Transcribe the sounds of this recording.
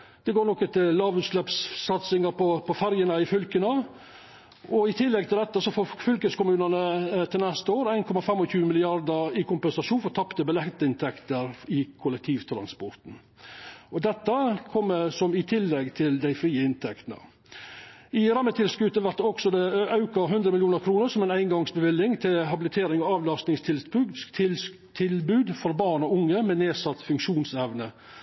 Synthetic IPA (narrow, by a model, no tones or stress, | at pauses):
d̪̥ɛɡoːnɔkːət̪ʰɪllɑːʋʉːt̪ʂlɛpsːɑt̪sɪŋəɾpɔpʰɔfæɾjənəɪfʏlkənə | ʔɔɪt̪ʰɪlːɛɡ̚t̪ʰɪld̪ɛt̪ːəsɔfoːfʏlkəskʊmʉːnənət̪ʰɪlnɛst̪əoːɾæɪnkʰɔmɑfɛmɔçʉːmɪlɪɑɾd̪əɾɪkʰʊmpɛnsɑʂuːnfɔɾt̪ʰɑpt̪əbəlɛkt̪əɪnt̪ʰɛkt̪əɾɪkʰʊlɛk̚t̪ʰiːʋt̪ʰɾɑ̰nspɔɾt̪n̩ | ɔd̪ɛt̪ːəkʰɔmːəsɔmɪt̪ʰɪlːɛɡt̪ʰɪld̪æɪfɾiːəɪnt̪ʰɛkt̪nə̰ | ɪɾɑmːət̪ʰɪlskʉt̪əʋæɾt̪ːɔksɔd̪ɛɑʉkɑɦʉnd̪ɾəmɪljuːnəɾkʰɾuːnəɾsɔmɛɪnæɪnɡɑŋsbəʋɪlːɪŋt̪ʰɪɦɑbɪlɪt̪ʰeːɾɪŋɔɑːʋlɑst̪nɪŋst̪ʰɪlspʉt̪ | t̪ʰɪlbʉːd̪fɔɾbɑːɳɔʊŋːəmɛneːsɑt̪ːfʉŋkʂuːnsɛʋnə